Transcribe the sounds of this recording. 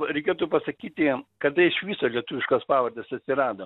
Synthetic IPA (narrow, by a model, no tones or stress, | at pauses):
ɾʲɛɪkʲeːt̪uːpɐsɐkʲiːt̪ʲɪkɐt̪ɐɪʃʋʲiːsoːlʲiɛt̪ʊʋʲɪʃkɐspɑːʋɐrd̪ʲesɐt̪ʲsʲɪɾɑːd̪o